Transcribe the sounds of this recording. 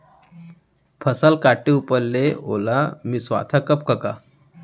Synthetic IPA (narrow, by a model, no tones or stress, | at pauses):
pʰəsalkaʈːeupəlːeo̰lamisʋa̰t̪ʰakəp̚kəka̰